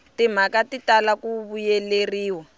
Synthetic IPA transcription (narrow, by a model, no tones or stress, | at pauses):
tim̤akatitalakuβujɛleriːwɔ